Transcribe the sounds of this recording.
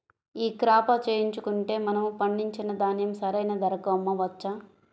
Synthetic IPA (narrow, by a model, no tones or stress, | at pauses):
iːkɾaːpɐt͡ʃeːjiɲt͡ʃukuɳʈe̞ːmɐnɐmupɐɳɖiɲt͡ʃinɐd̪aːnjɐmsɐɾɐjnɐd̪ɐɾɐkɐɐmːɐʋɐt͡ʃːɐ